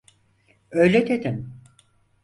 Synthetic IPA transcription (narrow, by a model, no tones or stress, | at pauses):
øjlʲet̪ʰed̪im